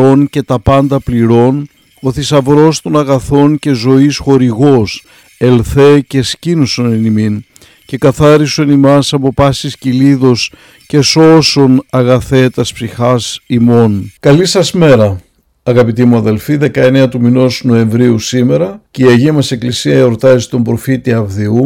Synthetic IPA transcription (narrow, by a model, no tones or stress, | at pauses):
o̞nce̞t̪ɐpɐnd̪ɐpliɾo̞n | oθisɐvɾo̞st̪o̞nɐɣɐθo̞nce̞zo̞isxo̞ɾiɣo̞s | e̞lθe̞ce̞scinusonnimin | ce̞kɐθɐɾisonimɐsɐpo̞pɐsisciliðo̞s | ce̞so̞so̞nɐɣɐθe̞t̪ɐspsixɐsimo̞nkɐlisɐsme̞ɾɐ | ɐɣɐpit̪imuɐðe̞lfiðe̞kɐe̞neɐt̪umino̞sno̞e̞ɱvɾiusime̞ɾɐceiɐʝimɐse̞klisiɐeɾot̪ɐzi̥t̪o̞mbɾo̞fit̪iɐvðiu